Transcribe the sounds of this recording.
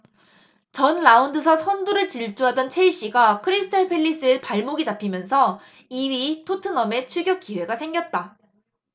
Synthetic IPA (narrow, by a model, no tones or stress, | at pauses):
t͡ɕʌnɭaundɯs̬ʰʌsʰʌnduɾɯɭt͡ɕiɭt͡ɕ͈uɦadʌnt͡ɕʰeiɕ͈iɡakʰɯɾisʰɯ̥tʰʌɭpʰe̞ʎːis͈ɯepaɭmoɡitapʰimjʌnsʰʌ | iɥitʰotʰɯnʌme̞t͡ɕʰuɡjʌk̚k͈iwe̞ɡasʰe̞ŋɡjʌt̚t͈a